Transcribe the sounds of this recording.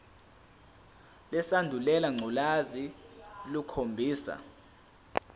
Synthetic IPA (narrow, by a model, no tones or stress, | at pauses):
lɛsandʱulɛlaŋ͡ǀulazilukʰombʱiːsa̰